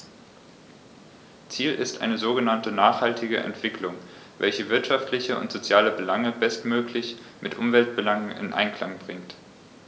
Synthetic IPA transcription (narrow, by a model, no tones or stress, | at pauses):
t͡siːlʔɪstʔa̰ɪnəzoːɡənantənaːχhaltʰɪɡəʔɛ̰ntv̥ɪklʊŋvɛlçəvɪɐtʃaftlɪçəʊ̰ntz̥ot͡sjaːləbəlaŋəbɛstmøːklɪç | mɪtʔʊmvɛlt̚b̥əlaŋənɪ̰nʔa̰ɪnkʰlaŋbʁɪŋt